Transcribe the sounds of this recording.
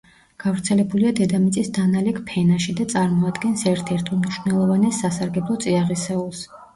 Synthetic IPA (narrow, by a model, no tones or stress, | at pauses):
ɡ̥avɾt̪sʰɛlɛbuliad̪ɛd̪amit̪sʼisd̪analɛkʰpʰɛnaʃid̪at̪sʼaɾmɔad̪ɡɛnsɛɾt̪ʰɛɾt̪ʰɔlˠmniʃwnɛlˠɔvanɛsːasaɾɡɛblˠɔt̪sʼiaʁisɛulˠs